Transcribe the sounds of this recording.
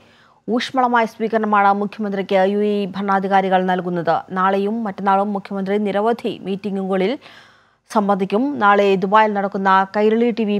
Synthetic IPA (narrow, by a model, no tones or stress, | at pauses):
uːʂmɐɭɐmaːjɐsʋiːkɐɾɐɳɐmaːɳɨmukʰjɐmɐnd̪rikʲːɨjuebʱɐrɳːaːd̪ʱiɣaːɾiɣɐɭnɐlkunːɐðɨnaːɭejumːɐtːɐnːaːɭumːukʰjɐmɐnd̪riniɾɐʋɐd̪ʱimiːtːiŋɡuŋɡɐɭil | sɐmbɐnd̪ʱikʲːumnaːɭed̪ubaːjilnɐɽɐkːunːɐkɐjɾɐɭiʈiʋi